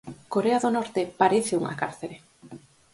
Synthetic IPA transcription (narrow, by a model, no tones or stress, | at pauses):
koɾeaðonɔɾt̪epaɾeθɪuŋa̰kaɾθeɾe